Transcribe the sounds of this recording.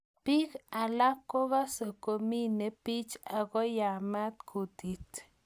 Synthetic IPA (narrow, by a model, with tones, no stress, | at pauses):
pi˦ka˨la˦ko˦ɣa˦so˨ko˨mi˦ne˨pi˦t͡ʃa˨ɡo˦ja˨ma˦t̪kʰu˨t̪i˨t̪